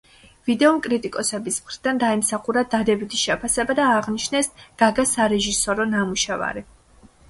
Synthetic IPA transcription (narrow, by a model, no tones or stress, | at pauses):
vid̪ɛɔmkʼɾit̪ʼikʼɔsɛbismχɾid̪and̪aɛmsaχuɾad̪ad̪ɛbit̪ʰiʃɛpʰasɛbad̪aːʁniʃnɛsɡ̥aɡasaɾɛʒisɔɾɔnamuʃɛva̰ɾi